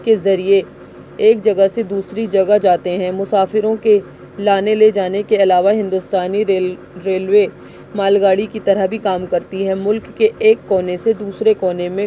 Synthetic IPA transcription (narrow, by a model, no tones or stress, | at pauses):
kezɐɾie | eːkd͡ʒɐɡəsed̪uːsɾid͡ʒɐɡəd͡ʒaːt̪eɦɛ̃ːmʊsaːfɪɾõke | laːneled͡ʒaːnekeɐlaːʋaɦɪ̃nd̪ʊst̪aːni | ɾeːlʋeː | maːlɡaːɽikit̪ɐɾəɦbʱikaːmkɐɾt̪iɦɛmʊlkːeeːkːɔːnesed̪uːsɾekɔːnemẽ